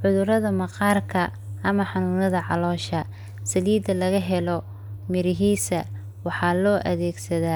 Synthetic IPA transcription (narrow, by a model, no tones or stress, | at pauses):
ʕʊðʊɾɐðɐmɑqɑːrkʰɐ | ʔɐmɐħɑnuːlɐðɐʕɑ̰lɔːʃɐ | sɐliːd̪ɐlɐɣɐɦɛlɔ | mɪɾɪɦiːsɐ | wɑħɑːlɔːʔɐ̰ðɛːɡsɐðaː